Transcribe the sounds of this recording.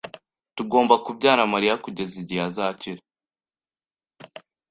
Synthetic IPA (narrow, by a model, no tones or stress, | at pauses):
tuɡoːmbakubɟaːɾamaɾijakuɟe̞ziɟijazaːciɾa